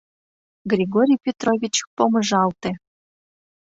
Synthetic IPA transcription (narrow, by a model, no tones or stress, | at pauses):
ɡrʲeɡoɾʲijpʲet̪rovʲit͡ɕk̚poməʒɑlt̪ĕ